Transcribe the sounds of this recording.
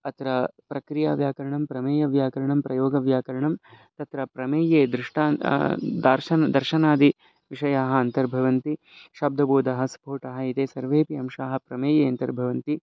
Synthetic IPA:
ɐt̪ɾɐpɾɐkɾijaːʋjaːkɐɾɐɳɐmpɾɐmeːjɐʋjaːkɐɾɐɳɐmpɾɐjoːɡɐʋjaːkɐɾɐɳɐm | t̪ɐt̪ɾɐpɾɐmeːjeːd̪ɾɪʂʈaːd̪aːɾʃɐnɐd̪ɐɾʃɐnaːd̪i | ʋiʃɐjaːɦɐɐnt̪ɐɾbʱɐʋɐnt̪i | ʃɐb̚d̪ʱɐboːd̪ɐɦɐsɐ̥poːʈɐɦɐ̆it̪eːsɐɾʋeːpiɐmʃaːɦɐpɾɐmeːjeːɐnt̪ɐɾbʱɐʋɐnt̪i

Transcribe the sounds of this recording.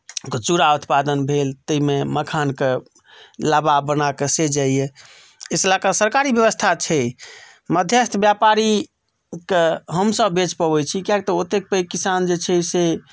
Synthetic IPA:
ket͡ʃuɾaut̪ʰpad̪ənbʱelt̪əimeməkʰanke | lababənakesed͡ʒaije | eslakəsəɾkaɾibjəβəst̪ʰat͡ʃʰɛ | məd̪ʱjəst̪ʰbjapaɾi | keɦəmsəbːet͡ʃpəbɛt͡ʃʰikjakt̪ɔot̪ek̚pəikːisand͡ʒet͡ʃʰɛse

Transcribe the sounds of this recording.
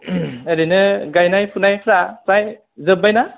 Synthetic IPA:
eɾinɯɡajnajpʰunajpʰɾapɾaj | zɯbajna

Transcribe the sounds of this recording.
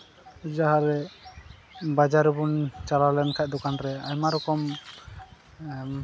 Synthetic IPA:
d͡ʒaɦaɾɛ | bad͡ʒaɾubunt͡ʃalalɛnkʰaˀd̪ɔkanɾɛaɲmaɾɔkɔm

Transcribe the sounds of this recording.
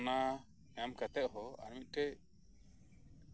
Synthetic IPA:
na | ɲamkat̪ɛʔ̪̚ɦɔa̰ɾmit̪̚ˀʈɛʔ

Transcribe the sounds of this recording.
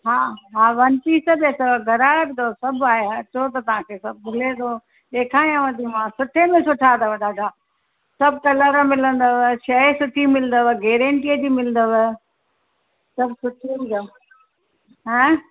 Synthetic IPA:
ɦaːɦaːʋɐnt̪isɐbẽsɐʋɡʱɐɾaːɽbʱɪnd̪osɐbʱaːɦeɐt͡ɕot̪̬ɐt̪ɐʋ̤ãkʰesɐb̚bʊled̪oː | ɗeːkʰaːĩãʋɐd̪ʱimãsʊʈʰemẽsʊʈʰad̪əʋɐɗaːɖa | sɐbʱkɐləɾmɪlə̃nd̪əʋʃɐesʊʈʰimɪlənd̪əʋəɡeːɾə̃ɳʈiəd͡ʑiːmɪlə̃nd̪əʋə | sɐbsʊʈʰibɪd̪ə | ɦɛ̃

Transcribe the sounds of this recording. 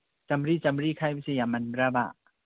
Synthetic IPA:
t͡ɕamɾiːt͡ɕamɾiːkʰajwisijamanɾaba̰ʔ

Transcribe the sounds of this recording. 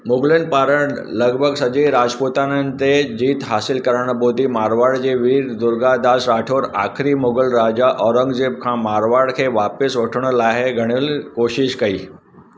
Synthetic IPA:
muɡlenpaɾəɳ | ləɡbʱəɡsəd͡ʑəɾad͡ʒpot̪anənt̪ed͡ʑiːt̪ɦasilkəɾaɳ̃bʱod̪ʱimaɾʋaɽd͡ʑeʋiːɾd̪uɾɡad̪asɾaʈʰoːɾakʰɾiːmoɡəlɾad͡ʑaʔɔɾəŋɡd͡ʑeb̚kʰãmaɾʋaɽkʰeʋapesʋəʈʰɳəlaɦeɡʱəɽ̃iːlkoɕiʃkəiː

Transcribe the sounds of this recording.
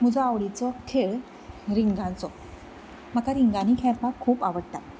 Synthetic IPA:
m̤əd͡zɔaʋɭit͡sɔkʰeɭ | ɾiŋɡãnt͡sɔ | m̤əkaɾiŋɡãnikʰɛ̃ɾpakʰːuːpaʋəɽʈ̪a

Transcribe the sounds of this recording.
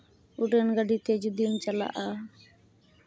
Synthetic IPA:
uɖənɡəɖit̪ɛd͡ʒud̪int͡ʃala̰ʔa

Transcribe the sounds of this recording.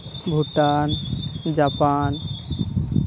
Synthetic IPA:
bʱuʈand͡ʒapan

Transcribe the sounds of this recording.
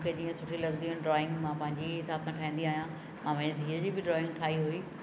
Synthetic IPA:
kʰeːd͡ʑiːə̃sʊʈʰilɐɡnd̪iɦʊnɪɖɾɔːɪ̃ŋɡmãpɐ̃ɦɪ̃ɲd͡ʑiɦɪsaːbsãʈʰaːɦĩːnd̪iaːɦijã | mãːʋɐ̃ed̪ʱiːɾəd͡ʑiːbɪɖɾɔːɪ̃ŋɡ̚ʈʰaːɦiɦuiː

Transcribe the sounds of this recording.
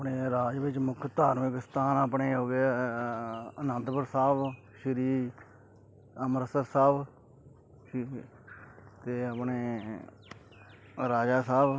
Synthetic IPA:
pɳeːɾaːd͡ʒʋɪt͡ʃmʊkʰt̪aːɾmɪkst̪aːnaːpɳeːɦoːɡe | ənə̃nt̪bəɾsaːb | ʃəɾiː | əməɾəsəɾsaːb | t̪eːəpɳeː | ɾaːd͡ʒaːsaːb

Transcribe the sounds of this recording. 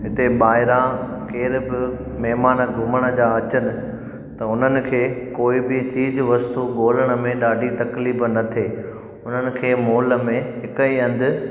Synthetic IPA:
ɦɪt̪eɓaːɪɾakeːɾbɪ | mɛɦmaːnəɡʱʊməɽ̃ə̆d͡ʑaːɐt͡ɕənɪ̆ | t̪ɐʊn̤ənɪ̆kʰeːkoːibɪt͡ɕiːd͡ʑʋɐst̪uɡoːləɽ̃ə̆mẽɗaːɖʱit̪ɐkliːbnɐt̪ʰeː | ʊn̤ənɪ̆kʰeːmoːlə̆mẽɦɪkəiɐ̃nd̪ɪ̆

